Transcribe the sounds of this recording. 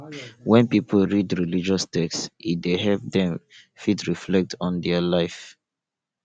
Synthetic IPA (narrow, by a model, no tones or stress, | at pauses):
wɛ̃npipʰəl̩ɹidɹilid͡ʒɔstɛksideɦɛlp̚dɛ̃m | fitɹiflɛk̚tʰɔ̃ndɛalaɪf